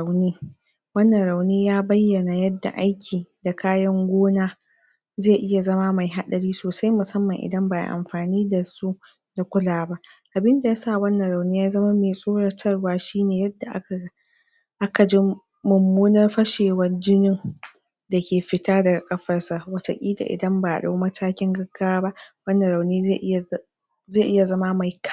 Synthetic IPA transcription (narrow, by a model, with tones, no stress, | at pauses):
a˨wniː˦ | wɐ˦nːɐ˨nɾa˨wniː˦jaː˦bɐ˦jːɐ˨na˨jɐ˦dːa̰˨ʔa˦jkʲʰiː˨da˨kʰaː˦jɐ˦ŋɡʷoː˦naː˦ | zeː˦˨ʔɪ˦ja˨zɐ˦ma˦ma˨jɦa˦ɗɐ˨ɽiː˦soː˨sa˦jmʊ˨sɐ˦mːɐ˨ŋʔɪ̰˨dɐ˦mba˨ja̰˨ʔa̰˨mɸaː˨niː˦da˨su˦ʔ | da˨kʷʊ˦laː˨ba˦ʔʔa˨bɪ˦nda˨ja˦saː˦˨wɐ˦nːɐ˨ɾa˨wniː˦jaː˦zɐ˦ma˦meː˨sʼoː˦ɽɐ˦tʰɐ˦rwaː˦ʃiː˦neː˨jɐ˦dːa˨ʔa˦˨ | ʔa˦ka˨d͡ʒɪ˦ | mʊ˨mːuː˦nɐ˦rɸɐ˦ʃeː˨wɐ˦rd͡ʒɪ˦nɪ˦ŋ | dɐ˨kʲeː˨ɸɪ˦taː˦dɐ˨ɡa˨kʼɐ˦ɸɐ˨rsa˨ʔwɐ˨sɐ˨kʲʼiː˦da̰˨ʔɪ̰˨dɐ˦mba˨ʔa˨ɗa̰˦wmɐ˦tʰaː˦kʲɪ˦ŋɡɐ˦ɡːa˦waː˦ba˦ʔwɐ˦nːɐ˨ɾa˨wniː˦ze˦˨ʔ | zeː˦˨ʔɪ˦ja˨zɐ˦ma˦ma˨jk